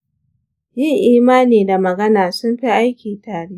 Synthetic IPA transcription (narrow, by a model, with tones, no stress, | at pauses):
jɪ˦ŋʔiː˨maː˦niː˨da˨mɐ˨ɡɐ˦naː˨sʊ˦mɸi˦ʔa˦jkʲiː˨taː˨ɽiː˦